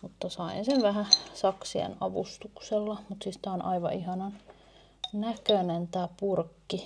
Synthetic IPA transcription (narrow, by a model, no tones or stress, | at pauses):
mut̪ːɑsɑinsenʋæhæsɑksiḛnɑʋṵst̪ukselːɑmut̪sist̪æonʔɑ̰iʋɑ̰ʔihɑnɑn | nækønent̪æːpurkːi